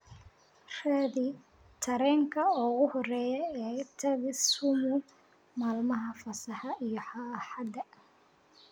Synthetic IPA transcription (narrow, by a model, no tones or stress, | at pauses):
raːðɪ | t̪ʰɐɾɛːŋkʰɐɔːɣʊhɔrɛːjɛɛːt̪ʰɐðɪsʊmʊ | maːlmɐɦɐfɐsɐħɑʔijɔħɑħɑd̪ɐ